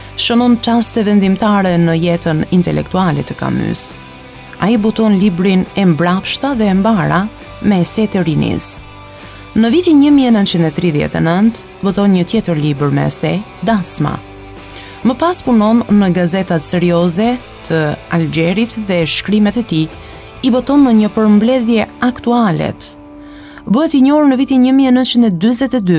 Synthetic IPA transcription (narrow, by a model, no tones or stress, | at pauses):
ʃənɔnt͡ʃast̪ɛvɛnd̪imt̪aɾɛnəjɛt̪ənint̪ɛ̰lʔɛ̰kt̪ualɛt̪əka̰my̰s | a̰ibɔt̪ɔnlibɾinɛmbɾapʃt̪aðɛːmbaɾa | mɛsɛt̪əɾinḭs | nəvit̪iɲəmiɛnənt̪t͡ʃind̪ɛt̪ɾiðjɛ̰t̪ɛ̰nənt̪ | bɔt̪ɔnɲət̪jɛt̪əɾlibəɾmɛ̰sɛ | d̪asma̰ | məpaspunɔnːəɡazɛt̪at̪sɛɾiɔzɛ | t̪ʰəald͡ʒɛɾit̪ðɛʃkɾimɛt̪ɛt̪i | ibɔt̪ɔnːəɲəpəɾmblɛðjɛakt̪ualɛ̰t̪ | bəɦɛt̪iɲɔɾnəvit̪iɲəmiɛnənt͡ʃind̪ɛd̪yzɛt̪ɛd̪y